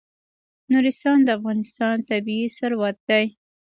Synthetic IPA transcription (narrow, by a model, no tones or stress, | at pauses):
nuɾɪst̪ɑnd̪əafɣɑnɪst̪ɑnt̪abiisaɾwat̪̚d̪aj